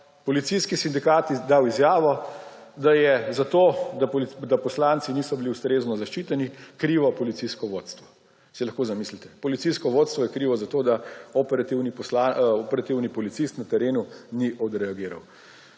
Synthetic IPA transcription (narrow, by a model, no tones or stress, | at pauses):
pɔlit̪siskisind̪ikaːt̪d̪aːwizjaːʋɔd̪ajɛzat̪od̪ad̪apɔslant̪siniːsɔbiliust̪ɾeːznɔzaʃt͡ʃit̪ɛnikɾiːʋɔpɔlit̪siskɔʋoːt̪st̪ʋɔ | silɐxkoːzamislit̪ɛ̥pɔlit̪siskɔʋoːt̪st̪ʋɔjɛkɾiːʋɔzat̪oːd̪aɔpɛɾat̪iwnipɔslaɔpɛɾat̪iwnipɔlit̪sist̪nat̪ɛɾeːnuniʔɔd̪ɾɛaɡiːɾa̰w